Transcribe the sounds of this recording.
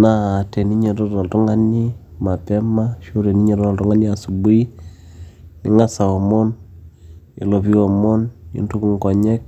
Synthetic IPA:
naː˦˨te˨ni˦ɲe˨tɔ˦tɔ˨ltɔ˦ŋa˦ni˦ | ma˨pɛ˦ma˦ʃo˦ɾe˨ni˦ɲɛ˨tɔ˦ɔ˨ltɔ˦ŋa˦ni˦a˨su˨bu˦i˦ | nɪ˨ŋa˦sa˨ɔ˨mɔ˦n | ḛ˨lo˨βi˦ɔ˨mɔ˦njḭ˨˦ntu˦ku˦˨ŋkɔ˨ɲɛ˦k̚

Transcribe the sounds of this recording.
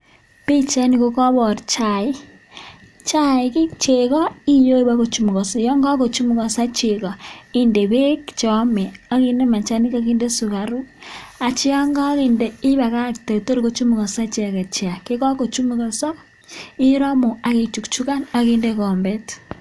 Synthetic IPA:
pi˦t͡ʃa˦ni˨ko˦kɔ˦βɔ˨rt͡ʃa˨i˦ | t͡ʃa˦i˨ki˦t͡ʃe˨kɔ˦i˦jo˦i˦ba˦ko˨t͡ʃu˨˦mu˨kɔ˨sɔ˨jɔ˦ŋɡa˦ko˨t͡ʃu˦mu˨kɔ˨sa˦t͡ʃe˨kɔ˨i˦nde˨βe˦kt͡ʃɔ˨˦mɛ˨a˦ki˦nde˦ma˨t͡ʃa˦ni˦ka˦ki˦nde˦su˨ka˨ɾu˦a˨t͡ʃi˦ɔ˦ŋɡɔ˦ki˨nde˨i˦βa˨ka˦˨kte˨to˦ɾko˦t͡ʃu˦mu˨kɔ˨sa˦t͡ʃe˨ka˨t͡ʃja˨ke˦kɔ˦ko˨t͡ʃu˦mu˨kɔ˨sɔ˦ | i˦ɾɔ˦mu˨a˨ke˨t͡ʃu˨kt͡ʃu˦ka˦na˨ki˦nde˦kɔ˨mbɛ˦t

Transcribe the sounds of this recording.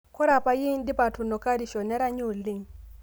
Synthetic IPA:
kɔ˦ɾa˨pa˨ji˦ndi˦pa˨tu˨nɔ˨ka˦ɾi˨ʃɔ˨nɛ˦ɾa˦ɲu˦˨li˦ŋ

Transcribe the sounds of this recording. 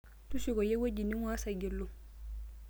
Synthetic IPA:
tusiɡɔ˨je˦wo˦ɟini˦ŋwasaɡi˨lːu˨

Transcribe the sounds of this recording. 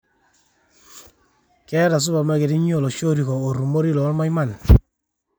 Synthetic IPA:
kɛ˦ɾa˨s̬u˦ba˨ma˦ke˨ɾi˦ɲ˦o˦˨lo˨ʃo˦ɾi˨kɔ˨o˨ɾu˨mo˦ɾi˦lɔ˨˦lma˦jma˦˨n

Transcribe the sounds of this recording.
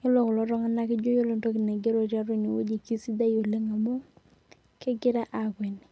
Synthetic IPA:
o˦lɔ˨kɔ˨lɔ˦ɾɔ˦ŋa˦na˦kɪ˦d͡ʒo˦jo˦lo˨nto˦ki˨ne˨ɡe˦ɾo˨ɾja˦ɾo˦ni˨wo̰˦d͡ʒi˨ki˦si˦da˦jo˨le˦ŋa˨mo˦ | kɛ˦ɡɪ˦ɾa˦ʔa˨kwɛ˨ni˨

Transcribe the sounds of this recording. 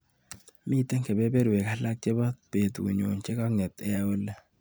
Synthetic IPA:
mi˦˨te˦ŋke˨be˦be˦ɾwe˨ka˦la˦k̚t͡ʃɪ˦ba˦pe˨t̪ṵ˨ɲo̰˨nt͡ʃɪ˦kɔ˦ŋɛ˨t̪ɛ˦a˨o˦le˦

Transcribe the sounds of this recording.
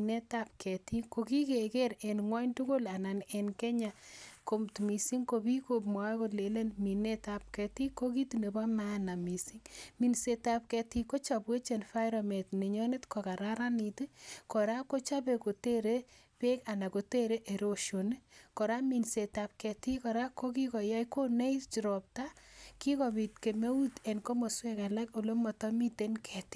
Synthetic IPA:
ne˦ta˦pkʰɛ˨ti˦ko˨ki˦ke˨ke˦ɾe˨nŋwɔ˦ɲtʊ˦ko˦la˨na˨nɛ˨nkɛ˦ɲa˨ko˦mtmi˨si˦ŋko˧bi˦kop̚m˨a˦ko˦le˨le˦nmi˨ne˦tap̚kɛ˨ti˦ko˦ki˦tune˨ba˦ma˦na˨mi˨si˦ŋmi˨nse˨ta˨p̚kɛ˧ti˦ko˦t͡ʃa˨bwe˦t͡ʃe˨nfa˦ɪɾɔ˨me˨tne˨ɲɔ˦ne˦tkɔ˨ka˨ɾaɾa˦ni˨ti˦kɔ˨ɾa˦ko˦t͡ʃa˦pe˨ko˨te˦ɾe˦ | pe˦ka˨na˨ko˨te˦ɾe˦ʔe˨ɾo˨ʃo˨n˦kɔ˨ɾa˦mi˨nse˨ta˨p̚kɛ˨ti˦kɔ˨ɾa˦ko˦ki˦kɔ˨ja˦jko˦nɛ˦jt͡ʃi˨ɾɔ˨p̚ta˦ki˦kɔ˨bi˨tke˨me˦u˦tɛ˨nko˦mo˨swɛ˦ka˨la˦ko˨lo˦mɔ˨tɔ˦mi˦te˦nkʰɛ˨ti̥˦

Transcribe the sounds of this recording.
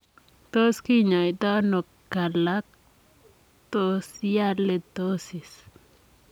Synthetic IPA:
t̪o˦ski˦ɲã˨it̪a˦no˨kkːa˨la˦k̚ | t̪osja˦le˧d̪o˦si˨s

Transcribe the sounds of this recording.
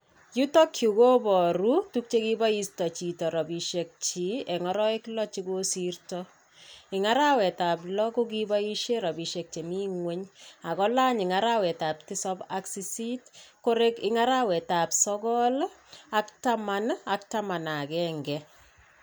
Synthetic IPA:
ju˦tɔ˦kʰju˨ko˦bɔ˨ɾu˦tu˦k̚t͡ʃe˦ki˦ba˦i˦stɔ˨t͡ʃi˨tɔ˨ɾɔ˨bi˨ʃe˨k̚t͡ʃi˨˦ɛ˨ŋɔ˦ɾɔ˦e˦klɔ˦t͡ʃiko˦si˦rtɔ | ɪ˨ŋa˦ɾa˦wɛ˨ta˨plɔ˦ku˦k̬iba˦i˦ʃe˦ɾɔ˨bi˨ʃe˨k̚t͡ʃe˨mi˦ŋwe˦ɲa˨kɔ˦la˦ɲɪ˨ŋa˦ɾa˦wɛ˨ta˨pti˦sɔ˦ba˦ksi˨si˦tko˦ɾe˦kɪ̰ŋaɾawɛ˨ta˨psɔ˦ɡɔ˦laktamana˦k̚ta˦ma˨na˨kɛŋɡɛ

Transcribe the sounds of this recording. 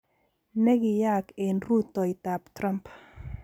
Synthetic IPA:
nɛ˦ɡɪ˨ja˦ke˨nru˦t̪ːɔ˨i˨t̪a˨ptɾa˦mp

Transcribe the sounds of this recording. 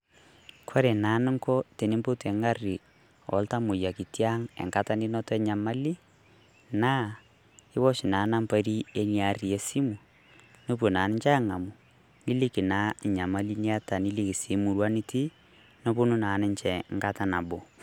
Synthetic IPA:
kʰɔ˦ɾe˨na˨˦nɪ˦ŋkɔ˦te˨ni˦mpo˦tɛ˨ŋɡa˦ri˨ | ɔ̰˨lta˦mʊ˨ja˨ki˨tja˦ŋɛ̰˨ŋka˦ta˦ni˦nɔ˦tɔ˦ɛ˦ɲa˨ma˦li˦ | na˦ | ɪ˦wɔ˦ʃi˨na˨˦na˦mpa˦˨ɾi˦e˦nja˨ri˨e˨˦si˦mu˨ | no˦p̬o˨naː˨˦nɪ˦ɲt͡ʃa˦ŋa˨mu˨ | ŋi˦li˦ki˨na˨˦˨ɲa˨ma˦li˦ni˦a˦ta˨ni˦li˦ki˨si˨˦mu˨ɾwa˦ni˦ti˦ | no˦po˦nu˦naː˨˦nɪ˦ɲt͡ʃɛ˨ŋɡa˦ta˦na˨bo˨

